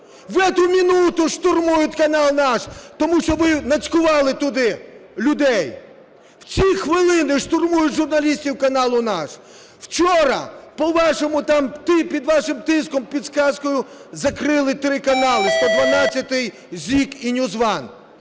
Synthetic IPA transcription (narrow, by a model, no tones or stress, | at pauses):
ʋɛt̪ʊmʲinut̪ʊʃt̪ʊrmujʊtʲkɐnɑlˠnɑʃt̪ɔmuʃt͡ʃɔʋɪnɐt͡sʲkʊʋɑlˠɪt̪ʊd̪ɪlʲʊd̪ɛj | w̥t͡sʲixʋɪlˠɪnɪʃt̪ʊrmujʊtʲʒʊrnɐlʲisʲtʲiwkɐnɑlˠʊnɑʃ | w̥t͡ʃɔɾɐ̰pɔʋɑʃɔmʊt̪ɑmt̪ɪpʲid̪ʋɑʃɪmt̪ɪskɔmpʲid̪skɑskɔjʊzɐkɾɪlˠɪt̪ɾɪkɐnɑlˠɪst̪ɔd̪ʋɐnɑt͡sʲːɐt̪ɪj | zʲikinʲʊzʋɑn